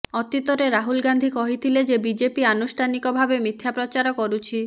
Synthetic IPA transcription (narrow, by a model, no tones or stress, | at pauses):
ɔt̪it̪oɾeɾaɦulɡand̪ʱikɔɦit̪ʰiled͡ʑebid͡ʑepianusʈʰanikobʱabemɾit̪ʰːjapɾot͡ɕaɾokoɾut͡ɕʰi